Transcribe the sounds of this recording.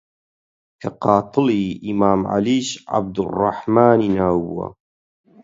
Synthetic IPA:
kʰɐqɑːt̪ˤɨliʔimaːmʕa̰liːʃʕa̰b̚d̪ʊrˤːɑ̰ħmaːniːnaːwbuɐ̰

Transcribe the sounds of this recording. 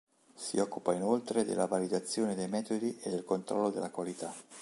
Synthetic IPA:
sḭɔkːupainolt̪ɾed̪ḛlːavalid̪at̪sːjoːned̪ejmɛːt̪od̪iʔed̪ːelkont̪ɾɔlːod̪elːakwalit̪a

